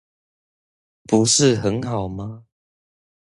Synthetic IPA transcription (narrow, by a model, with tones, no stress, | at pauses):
pu˨˦ʂɻ̩˥˨xə˨˦nxɑ˨˩ʊma˦